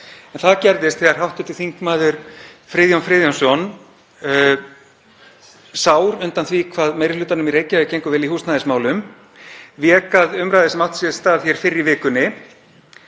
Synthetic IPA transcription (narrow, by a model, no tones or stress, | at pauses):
ɛnθaðcɛɾðɪst̪θɛɣaɾ̥ɦawht̪ʏt̪ɪθiŋkmaːðʏɾ̥fɾɪðjɔnfɾɪːðjɔnsɔn | saːwɾʏnt̪anθvikʰvaːðmejɾɪlʏːt̪anʏmiɾeːjcaʏcejŋkʏvɛlihuːst̪naðɪsmaːwlʏm | vjɛːkaðʏmɾajðɪsɛmawht̪sjɛðst̪aːðθçɛɾ̥fɪɾːɪivɪːkʏnːɪ